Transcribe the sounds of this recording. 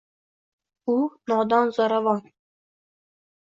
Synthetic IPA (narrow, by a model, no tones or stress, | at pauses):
unɒd̪ɑnzɒɾavɑn